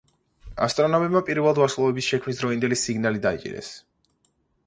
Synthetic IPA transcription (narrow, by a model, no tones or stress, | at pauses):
a̰st̪ʼɾɔnamɛbmapʼiɾvɛlˠad̪vaslˠɔɛbisʃɛkʰmnisd̪ɾɔind̪ɛlisiɡnalid̪ait͡ʃʼḭɾɛ̰s